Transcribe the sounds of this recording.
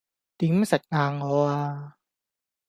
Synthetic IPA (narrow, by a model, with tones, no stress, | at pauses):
t̪i˨˦msa˨˩t̚ŋaː˧ŋɔ˦a˧